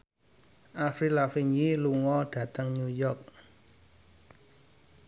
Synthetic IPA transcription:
ʔafɾilafiɲiluŋɔɖ̥ä̤t̪əŋɲujɔk̚

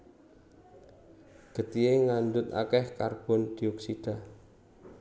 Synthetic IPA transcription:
ɡ̥ə̤t̪ieŋand̪ʊt̪a̰kɛhkarb̥ɔ̤nd̪̥iɔksid̥a̤

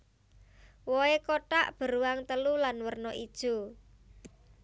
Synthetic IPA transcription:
wɔekoʈaʔb̥ə̤ɾuwaŋt̪əlulanwərnɔʔid̥ʒ̥o̤

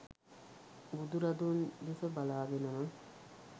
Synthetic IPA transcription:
ɡud̪uɾɐd̪und̪efəbalaːɡenɐmə

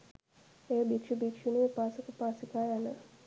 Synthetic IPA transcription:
ejəbikʂibikʂiniepaːsəkəpaːsikajanə

